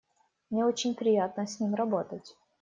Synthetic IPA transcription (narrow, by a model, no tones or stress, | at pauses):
mnʲeot͡ɕɪnʲpɾʲɪjat̪̚nəsʲnʲimrɐbo̞t̪ətʲ